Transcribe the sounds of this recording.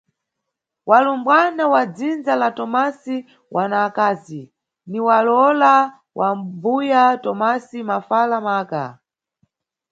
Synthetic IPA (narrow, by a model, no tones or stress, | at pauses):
walumbwanawad͡zind͡zalatɔmasi | wʔanaːkaːzi | niwalɔla | wʔambujatɔmasimafalamaːka̰